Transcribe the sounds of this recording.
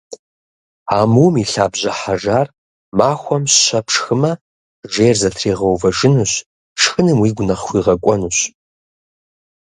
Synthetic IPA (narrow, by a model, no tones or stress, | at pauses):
aːmuwmiɬaːbʑɐħaʒaːr | maːxʷɔmɕɕɐpʰʂxɨmɐ | ʒeːrzɐtʰreːʁɐwvɐʒɨnuɕ | ʂxɨnɨmwiːɡʷʊnɐχxʷiːʁɐkʷʼɔnuːɕ